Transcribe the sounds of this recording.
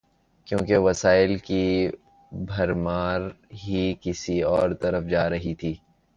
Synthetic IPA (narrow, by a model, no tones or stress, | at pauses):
kjõːkeʋɐsaːɪlki | bʱɐɾmaːɾɦikɪsiɔːɾt̪ɐɾəfd͡ʒaːɾɐɦit̪ʰiː